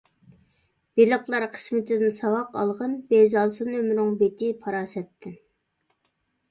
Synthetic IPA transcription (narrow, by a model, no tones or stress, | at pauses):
b̥elˠəqlˠɑɾqʰə̥smɪt̪ʰɪd̪ɪnsɑwɑqɑ̰lˠʁənbezɑlˠsɨnømɾʊŋbet̪ʰɪpʰɑɾɑːsɛt̪ʰːɪn